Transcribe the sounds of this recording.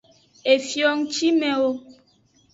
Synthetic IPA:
e˨fjɔ˦ŋt͡ʃi˦mɛ̃˨wo˦

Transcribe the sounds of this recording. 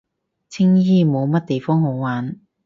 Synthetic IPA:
t͡sʰɪ˥ŋjiː˥mo˨˧wmɐ˥t̚t̪e˨jfɔː˥ŋɦo˨˥wwaː˨˥n

